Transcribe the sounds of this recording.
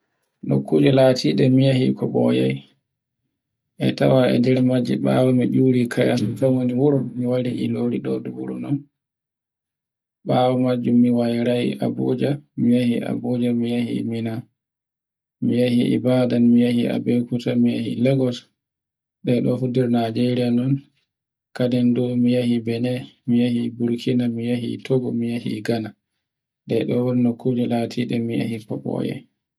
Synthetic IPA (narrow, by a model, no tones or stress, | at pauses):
ɗɔkʰːud͡ʒɔlaːtʰiːɗɛmijahikʰɔɓɔ̰ja̰j | ʔɛ̰ta̰waɛ̰d͡ʒɛɾmad͡ʒɛ̰ɓawɔmid͡ʒuɾikʰajamfawoniwuɾɔmiwaɾiʔiloɾiɗɔduwuɾṵnɔn | ɓaːwɔmad͡ʒːumːiwajɾajḭʔa̰bud͡ʒamijahiʔa̰bud͡ʒamijahḭmina | mijahiʔḭbadanmijahia̰bɛkutamijahḭlɛɡɔt | ɗɛɗɔfudiɾnad͡ʒɛɾianɔn | kadɛndumijahibɛnɛmijahibuɾkʰinamijaɦḭtʰoɡɔmijahḭɡana | ɗɛɗɔwɔɾnokʰːud͡ʒɛlaːtʰiɗɛmija̰hipɔɓɔ̰jɛ̰